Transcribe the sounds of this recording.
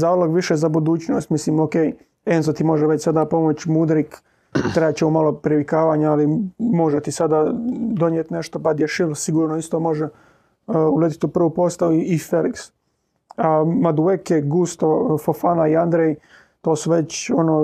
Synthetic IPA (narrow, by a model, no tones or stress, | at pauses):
zaːloɡʋiʃezabud̪uːt͡ɕnoːst̪misliːmokej | enzot̪imo̞ʒɛʋet͡ɕsad̪apo̞mo̞t͡ɕmud̪ɾik | t̪ɾeat͡ɕeumalopɾiʋikaːʋaɲaalimo̞ʒet̪isad̪ad̪o̞ɲjet̪ne̞ʃt̪opad̪jeʃilsiɡuːɾnoist̪o̞ːmo̞ʒe | ulet̪i̥t̪upr̩ʋupost̪auiːfeliks | amad̪uekeɡust̪ofofanaiand̪ɾej | t̪o̞ːsuʋe̞t͡ɕonoː